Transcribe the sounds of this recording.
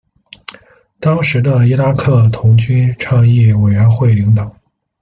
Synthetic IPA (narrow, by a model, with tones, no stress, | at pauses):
t̪ɑ˥ŋʂɻ̩˧˥d̪ə˧i˥la˥kʰɤ˥˩t̪ʰʊ˧˥ŋt͡ɕy˥nʈ͡ʂʰɑ˥˧ŋi˥˩we˨˩ɪɥɛ˧˥nxwe˥˩ɪli˧˥ŋt̪ɑ˨˩˦